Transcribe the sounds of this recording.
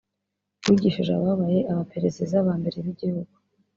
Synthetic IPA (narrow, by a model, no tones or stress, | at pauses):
wiɟiʃiʒa̰βaβaje̞ʔaβape̞ɾe̞zezaβaːmbe̞ɾeβiɟihuɡ̚u